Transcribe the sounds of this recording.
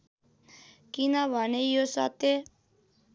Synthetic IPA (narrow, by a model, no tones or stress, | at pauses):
kinabanejosa̰t̪e